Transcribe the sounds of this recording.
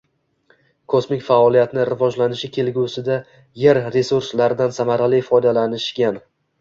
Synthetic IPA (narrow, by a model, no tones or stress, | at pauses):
kʰosmɪkʲfaɒlˠijat̪nɪɾɪvɒd͡ʒlanɪʃɪkʲʰe̞lɡʲusɪd̪a | jeɾɾe̞suɾslaɾɪd̪ansamaɾalifɒjd̪alanɪʃɡʲan